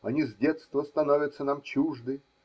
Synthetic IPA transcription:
ɐnʲizʲdʲet̪st̪vəst̪ɐnovʲət̪sənamt͡ɕuʐd̪ɨ

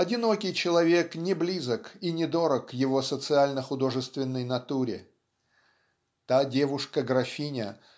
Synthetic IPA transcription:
ɐdʲɪno̞kʲɪjt͡ɕɪlˠɐvʲe̞knʲɪblʲizəkinʲɪd̪o̞ɾəkːjɪvo̞sət̪sɨalʲnəxʊd̪o̞ʐɨst̪vʲɪnːəjnɐt̪uɾʲɪ̰ | t̪adʲe̞vʊʂkəɡɾɐfʲinʲə

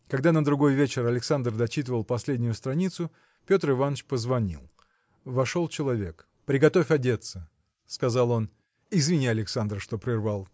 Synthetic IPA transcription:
kɐɡd̪anəd̪ɾʊɡo̞jvʲet͡ɕɪɾɐlʲɪksand̪rd̪ɐt͡ɕit̪̬əvəlˠpɐsʲlʲedʲnʲʊjʊst̪ɾɐnʲit̪sʊ | pʲo̞t̪rɨvanːət͡ɕpəzvɐnʲḭlˠ | vɐʂo̞lˠt͡ɕɪlˠɐvʲe̞k | pɾʲɪɡɐt̪o̞fʲɐdʲe̞t̪sə | skɐzalˠo̞n | ɪzvʲɪnʲiɐlʲɪksand̪ɾəʂt̪o̞pɾʲɪrvalˠ

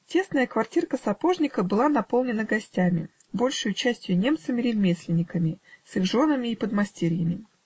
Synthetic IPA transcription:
tʲe̞snəjəkvɐrtʲirkəsɐpoʐnʲɪkəbɨlˠanɐpolˠnʲɪnəɡɐsʲtʲæmʲɪ | bo̞lʲʂɨjʊt͡ɕæsʲtʲjʊnʲe̞mt̪sɨmʲɪɾʲɪvmʲesʲlʲɪnʲːɪkəmʲɪsɨxʐo̞nəmʲɪːpəd̪mɐsʲtʲeɾʲɪjəmʲɪ

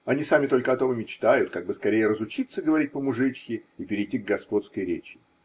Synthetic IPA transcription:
ɐnʲisamʲɪt̪o̞lʲkəɐt̪ovəmʲɪt͡ɕt̪ajʊt̪̚kaɡ̚bɨskɐɾʲejəɾəzʊt͡ɕit̪səɡəvɐɾʲit̚ʲpəmʊʐɨt͡ɕjɪipʲɪɾʲɪjtʲːiɡɡɐspo̞t̪skəjɾʲet͡ɕɪ̥

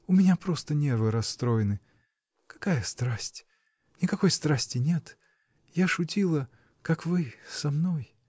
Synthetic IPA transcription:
ʊmʲɪnʲapɾo̞st̪ənʲervɨɾɐsːt̪ɾo̞jɪnɨ | kɐ̥kajəst̪ɾasʲtʲ | nʲɪkɐko̞jst̪ɾasʲtʲɪnʲe̞t̪ | jaʂʊtʲilˠə | kakvɨsɐmnoj

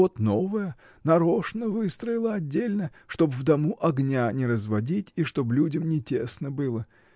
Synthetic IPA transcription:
ot̪no̞vəjə | nɐɾo̞ʂnəvɨst̪ɾəɪlˠəɐdʲːelʲnəʂt̪o̞bvd̪ɐmuʔɐɡnʲanʲɪɾəzvɐdʲitʲiʂt̪o̞blʲudʲəmnʲɪtʲesnəbɨlˠə

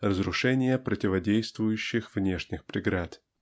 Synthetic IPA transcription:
rəzɾʊʂɛnʲɪjəpɾətʲɪvɐdʲejst̪vʊjʉɕːɪxvnʲe̞ʂnʲɪxpɾʲɪɡɾat̪

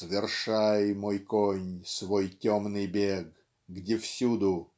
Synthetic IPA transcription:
svʲɪrʂajmojkonʲsvojtʲomnɨjbʲeɡ | ɡdʲefsʲud̪ʊ

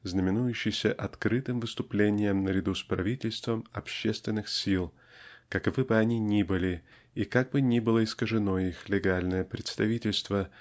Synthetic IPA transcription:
znəmʲɪnujʉɕːɪjsʲəʔɐt̪kɾɨt̪ɨmvɨst̪ʊplʲenʲɪjəmnəɾʲɪd̪uspɾɐvʲitʲɪlʲst̪vəmɐpɕːest̪vʲɪnːɨxsʲilˠ | kɐkɐvɨbɨɐnʲinʲibɨlʲɪ | ikaɡ̚bɨnʲibɨlˠəɪskəʐɨno̞ixlʲɪɡalʲnəjəpɾʲɪt̪st̪ɐvʲitʲɪlʲst̪və

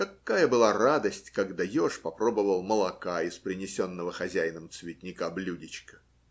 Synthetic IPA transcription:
kɐkːajəbɨlˠarad̪əsʲtʲkaɡd̪ajoʂpɐpɾo̞bəvəlˠməlˠɐkaɪspɾʲɪnʲɪsʲo̞nːəvəxɐzʲæjnəmt̪svʲɪtʲnʲɪkablʲudʲɪt͡ɕkə̥

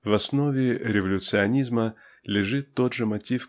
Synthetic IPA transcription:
vɐsnovʲɪɾʲɪvɐlʲʊt̪sɨɐnʲizmə | lʲɪʐɨt̪ːo̞d̪ʐɨmɐtʲif

